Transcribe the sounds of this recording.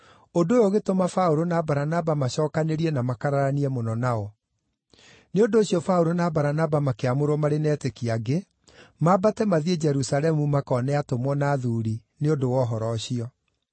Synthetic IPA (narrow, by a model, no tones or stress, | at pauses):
ondojoɣetomafaoɾonabaɾanabamaɕɔːkaneɾiɛnamakaɾaɾaniɛmonɔnaɔ | neondoːɕiɔfaoɾonabaɾanabamakeamoɾɔmaɾenɛtekiaɡe | mabatɛmaðied͡ʒɛɾusalɛmumakɔnɛatomwɔnaðuɾineondowɔɦɔɾɔɕiɔ